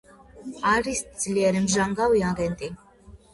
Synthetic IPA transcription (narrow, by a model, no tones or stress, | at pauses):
aɾisz̥liɛɾimʒaŋɡawiaɡɛnt̪ʼi